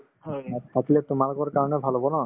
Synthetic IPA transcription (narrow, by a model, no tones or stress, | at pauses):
t̪ʰakilet̪umalkɔɾkaɹɔnebʱalɔbɔna